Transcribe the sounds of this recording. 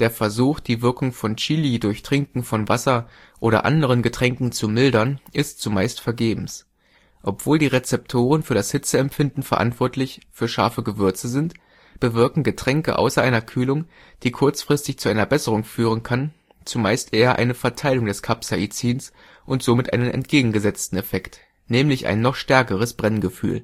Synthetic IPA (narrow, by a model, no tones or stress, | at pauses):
d̥eːɐfɛɐzuːxd̥iːvɪɐkʊŋfɔnt͡ʃiːlidʊɐçtʁ̥ɪŋkŋ̩fɔnvasɐ | ʔoːɾɐ̰ʔa̰ndəʁ̞ənɡətʁ̥ɛŋkŋ̩t͡sumɪldɐnʔɪstt͡sumaɪstfɛɐɡeːbm̩s | ʔɔpv̥oːldiːʁet͡sɛptʰoːʁənfyːɐɾashɪt͡səɛmpfɪndn̩fɛɐʔa̰ntv̥ɔɐtʰlɪçfyːɐʃa̰ɐfəɡəvʏɐt͡səzɪnt | b̥əvɪɐkŋ̩ɡətʁ̥ɛŋkə̰ʔa̰ʊsɐʔaɪnɐkʰyːlʊŋ | d̥iːkʰʊɐt͡sfʁ̥ɪstɪçt͡suʔaɪnɐbɛsəʁʊŋfyːʁ̞ənkʰan | t͡sumaɪstʔeːɐʔa̰ɪnəfɛɐtʰaɪlʊŋdɛskʰapsaʔit͡siːns | ʔʊntz̥oːmɪtʔa̰ɪnənɛ̰ntɡ̥eːɡŋ̩ɡəzɛt͡stn̩ɛfɛkt | nɛːmlɪçʔa̰ɪnːɔχʃtɛɐkəʁ̞əsb̥ʁɛnɡəfy̰ːl